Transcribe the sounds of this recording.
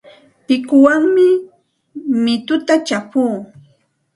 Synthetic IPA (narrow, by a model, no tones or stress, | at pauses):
pɪkʊwaŋmɪ | mɪt̪ʊt̪at͡ʃapuː